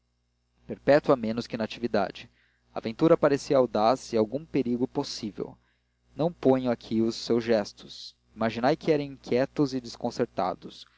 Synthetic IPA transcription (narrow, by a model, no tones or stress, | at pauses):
peɾpɛt̪wɐmẽnʊskɪnat͡ʃivid̪a̰d͡ʒɪ | a̰ːvẽnt̪uɾɐpaɾesiɐawd̪asɪawɡũpeɾiɡʊposivḛw | nɐ̃w̃põɲ̃ʊakʰiʊsːewzʒɛst̪ʊ̥s | imaʒinajkʰɪɛɾɐ̃w̃ĩŋkʲʰjɛt̪ʊzɪd͡ʒɪskõseɾt̪a̰d̪ʊs